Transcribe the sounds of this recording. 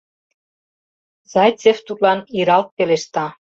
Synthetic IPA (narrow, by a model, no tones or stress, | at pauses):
zɑjt͡sʲeft̪ut̪lɑniɾɑlt̪̚peleʃt̪ɑ